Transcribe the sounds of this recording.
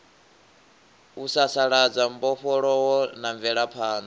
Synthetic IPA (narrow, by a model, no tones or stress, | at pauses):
usasaɺad͡zam̩bɔɸɔɺɔwɔnaɱvɛɺapʰaːnɔ